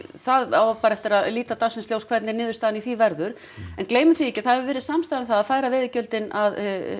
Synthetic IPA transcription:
θaða̰wpaːɾaɛft̪ɪɾaðliːt̪at̪asɪnsljowskʰv̥ɛɾt̪nɪnɪːðʏ̥ɾst̪aːðaniθivɛɾðʏɾ̥ | ɛnkleːjmʏθiɛcɪ̥θaðhɛvɪvɪːɾɪsamst̪ajðɪmθaðaðfaːjɾavɪðɪcœlt̪ɪnað

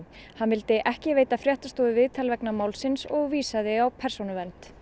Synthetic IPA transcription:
hanvɪlt̪ɪʔɛhcɪveːjt̪afɾjɛht̪ast̪oːðʏvɪðt̪ʰalvɛknamaːwlsɪnsɔɣviːsaðɪawpʰɛɾ̥sownʏvɛnt̪

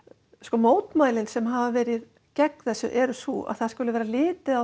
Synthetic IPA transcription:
skɔːmoːwt̪maːjlɪnsɛmɦavavɛːɾɪð | cɛkθɛsːʏ̰ʔɛɾʏsua̰ðθaðskʏlʏvɛːɾalɪːt̪ɪa

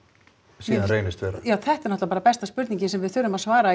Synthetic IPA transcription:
siːðanɾejnɪst̪vɛːɾajaːwθɛht̪ɛɾnɔt̪apaːɾapɛst̪aspʏɾt̪niɲcɪnsɛmvɪðθʏɾʏmaðsvaːɾa

